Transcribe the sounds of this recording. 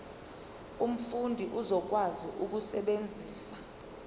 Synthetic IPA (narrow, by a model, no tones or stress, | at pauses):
um̩fundʱiʔuzɔk̬waziʔuk̬usɛɓend͡zʱiːsa